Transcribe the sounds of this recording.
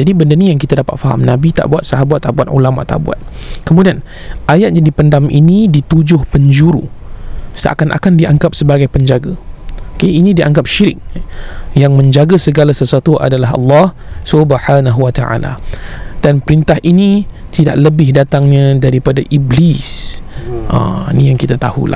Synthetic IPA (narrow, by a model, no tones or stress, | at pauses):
d͡ʒadibəndənijaŋkit̪adapat̪̚faɦa̰mnabit̪a̰ʔbuat̪̚saɦabuat̪̚ːaʔbat̪ṵlama̰ʔt̪a̰ʔbua̰t̪̚ | kəmũdian | ʔajat̪̚ɲãdipəndamʔinĩdit̪ud͡ʒʊhpəɲd͡ʒuɾṵ | sə̰ʔa̰kanʔa̰kandiʔaŋkap̚səbaɡajpəɲd͡ʒaɡaokeinĩdiʔa̰ŋɡap̚ʃiɾɪk̚ | jaŋmə̃ɲd͡ʒaɡasəɡalasəsuat̪uʔa̰dalaɦɑ̰lːɑh | subħanaɦuwat̪aʕa̰la̰d̥anpəɾint̪aɦʔini | t̪ida̰ʔ̚ləbɪhdat̪aŋɲãdaɾipadaʔiblis | ʔa̰inijaŋkit̪at̪a̰hṵla̰